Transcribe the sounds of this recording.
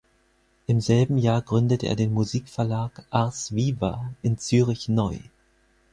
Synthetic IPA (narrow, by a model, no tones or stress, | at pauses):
ʔɪmzɛlbm̩jaːɐɡʁʏndətəʔḛːɐdeːnmuziːkfɛɐlaːkʔaɐsv̥iːva̰ʔɪnt͡syːʁɪçnɔʏ